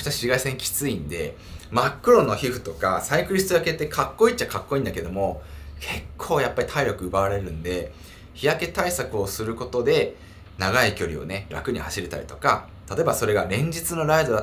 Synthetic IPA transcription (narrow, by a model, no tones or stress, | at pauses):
t̪aɕiɡaisẽŋkʲi̥t͡sɨĩnd̪e̞̰ | makːɯ̟ɾo̞nːoçiɸɯ̟̥t̪o̞kasaikɯɾʲisi̥t͡sojake̞t̪ːekʰakːo̞iːt͡ɕːakakːo̞ĩnd̪ake̞d̪o̞mo̞kʰe̞kʰːo̞ːjapːaɾʲit̪ʰaiɾʲo̞kɯ̟ɯ̟baaɾe̞ɾɯ̟̃nd̪e̞ | çijake̞t̪aisakɯ̟o̞sɨɾɯ̟ko̞t̪o̞d̪e̞ | naɡaikʲo̞ɾʲḭo̞̰ne̞ɾa̰kɯ̟ɲ̟ihaɕiɾet̪a̰ɾḭt̪o̞ka | t̪at̪o̞e̞baso̞ɾe̞ɡaɾẽ̞ɲ̟d͡ʑit͡sɨno̞ɾaid̪o̞d̪a